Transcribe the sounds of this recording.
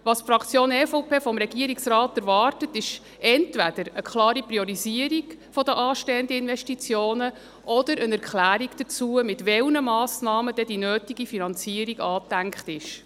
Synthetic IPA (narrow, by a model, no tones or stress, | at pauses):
ʋɑsfɾɑkʰt͡sjoːnɛfowpeːfɔmɾɛɡ̥iəɾiksɾɑːtæɾvɑːrtətɪʃ | ɛntʋæd̥̪əɾəkχlɑːɾipɾiɔɾiziəɾiɡfɔdəʔɑːʃtɛːənd̪əɪnʋɛʃtit͡sjoːnə | ʔɔd̥əɾənæɾkχlæːɾiɡd̥ət͡suəmɪtʋɛlnəmɑːsnɑːməd̥ɛd̥inøːtiɡifinɑnt͡siəɾiɡɑːtːæŋkχtɪʃ